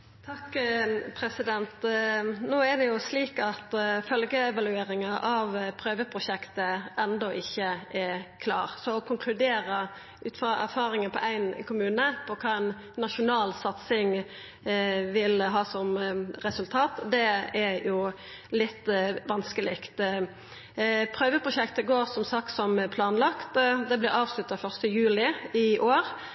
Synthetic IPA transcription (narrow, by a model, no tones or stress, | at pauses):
t̪ʰɑkːpʰɾɛsɪd̪ɛnt̪noːæd̪ɛjʊsliːkɑt̪fœlɡəɛʋɑlʉeːɾɪŋɑʔɑʋpʰɾøːʋəpʰɾʊʃɛkt̪əʔɛnd̪ɔʔɪçːəʔɛkʰlɑ̰ːʁsɔɔkʰʊŋkʰlʉd̪eːɾə | ʉːt̪fɑʔæ̰ɾfɑːɾɪŋənpʰɔ̰ʔæɪnkʰʊmʉːnəpʰɔkʰɑːæɪnː | ɑʃʊnɑːlsɑt̪sɪŋ | ʋɪlɦɑːsɔmɾɛsʉlt̪ʰɑːt̪d̪ɛæjʊ | lɪt̪ːʋɑnskəlɪkt̪ | pʰɾøːʋəpʰʁʊʃɛkt̪əɡoːʁsɔmsɑk̚t̪sɔmpʰlɑːnlɑkt̪d̪ɛblɪɾɑːʋslʉt̪ːɑfœʁst̪əjʉːlɪɪʔoːɾ